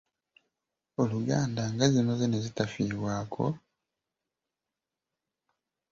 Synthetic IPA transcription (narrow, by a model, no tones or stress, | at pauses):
oluɡaːndaŋɡazino̞zenezitafiːβwaːkʰo̞̰